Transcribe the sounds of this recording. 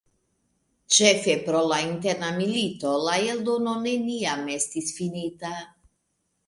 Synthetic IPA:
t͡ʃefepɾolaint̪eɾnamilit̪olaeld̪ononeniamest̪isfinit̪a

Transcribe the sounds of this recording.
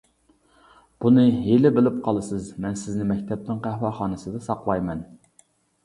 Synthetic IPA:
b̥unɨɦelɪbɪlɪp̚qʰɑlˠɨsɨzmɛnsɪznɪmɛkʲt̪ʰɛp̚t̪ɪŋqæhwɑχɑːnɨsɨd̪ɨsɑqlˠɑjmɛn

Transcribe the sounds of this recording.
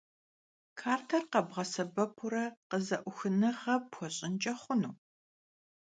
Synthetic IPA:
kʰaːrtʰɐrqɐbʁɐsɐbɐpʰʊɾɐqəzɐʔʷʊxɨnɨʁɐpʰɔɕʼɪnt͡ʃʼɐχʷʊnuː

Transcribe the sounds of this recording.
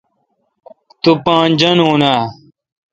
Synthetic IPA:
t̪upãːnd͡ʑɐnoːnaː

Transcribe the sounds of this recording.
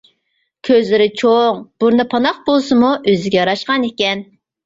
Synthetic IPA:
kʲʰøzlɪɾɪt͡ʃʰoŋb̥uɾnɨpʰɑnɑχ̚bolˠsɨmuʔøzɪɡʲɛjɑɾɑʃqɑnekʲɛn

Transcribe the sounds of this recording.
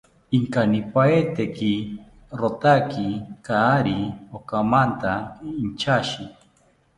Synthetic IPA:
iŋkanipaet̪eki | ɾot̪akikaːɾiokamant̪aint͡ʃaʃi

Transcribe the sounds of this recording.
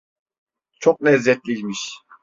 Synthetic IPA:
t͡ʃʰok̚nɛzːɛt̪̚lʲilʲmiʃ

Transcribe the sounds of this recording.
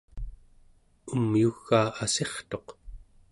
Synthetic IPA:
umjuɣːaːase̞χt̪o̞q

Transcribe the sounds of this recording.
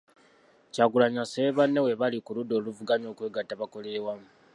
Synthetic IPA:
caɡulaɲaseβanːewe̞βalikuludo̞ːluvuɡaɲo̞ːkwe̞ːɡatːaβako̞lewa

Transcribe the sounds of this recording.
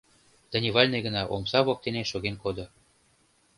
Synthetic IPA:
d̪̥ə̆nʲiβɑlʲnɤjɣə̆nɑʔomsɑβɑk̚t̪eneʃoɣenkod̪o

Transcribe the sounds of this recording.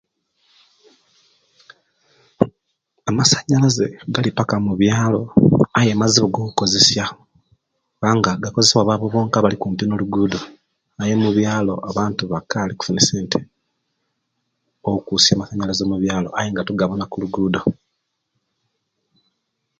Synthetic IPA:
amasḁɲːalaze̞̰ɡalipakamuβjaːlo̞ajemaziβoɡo̞ːkuko̞ze̞sja | βaːŋɡaɡakozeseβwaβaβoβoːŋkaβalikuːmpinoluɡuːdo̞ | aje̞muβjaːlo̞ʔaβaːntuβakaliku̥funiseːntʰe̥ | oukusjaːmasaɲalazomuβjaːlo̞̰ʔajeŋɡatuɡaβonakuluɡuːdo̞

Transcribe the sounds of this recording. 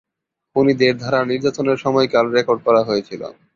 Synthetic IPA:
unid̪eɾd̪ʱaɾaniɾd͡ʑat̪oneɾʃɔmɔekalɾekoɾɖ̚kɔɾaɦojet͡ɕʰilo̰

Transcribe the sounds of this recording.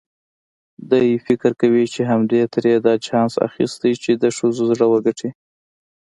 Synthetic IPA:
d̪əjfɪkəɾkawit͡ʃeɦamd̪et̪əɾed̪ɑt͡ʃɑnsa̰xḭst̪ajt͡ʃed̪əʂəzozɽəwəɡaʈʰi

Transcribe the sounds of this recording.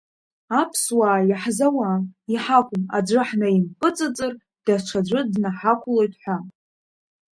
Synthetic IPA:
apʰswaːjaħzawaiħakʷʼʊmad͡ʒʷɨħnaimpʼɨt͡sʼɨt͡sʼɨr | d̥aʈ͡ʂʷʰad͡ʒʷɨdnaħakʷʰʊlojtʰʼħʷa

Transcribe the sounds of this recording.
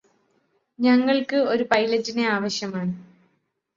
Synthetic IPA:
ɲɐŋːɐɭkɨo̞ɾupɐjlɐd͡ʑineaːʋɐɕjɐmaːɳɨ

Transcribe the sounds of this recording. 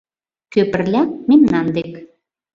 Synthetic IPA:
køpərlʲæt̪̚memnɑnd̪ek

